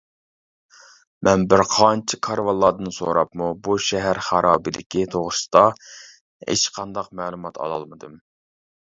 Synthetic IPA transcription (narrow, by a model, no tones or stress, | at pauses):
mʔɛnbɪɾqʰɑnt͡ʃʰɪkʰɑɾvɑlˠːɑːd̪ɨnɨso̰ɾɑpmubuʃɛɦæɾχæɾʔɑːbɨd̪ɪkʲʰit̪ʰoʁsɨ̥d̪̥ɑ | ḛt͡ʃqʰɑnd̪ɑqmæːlˠumɑt̪ʰɑ̰lˠɑ̰lˠmɨd̪ɨm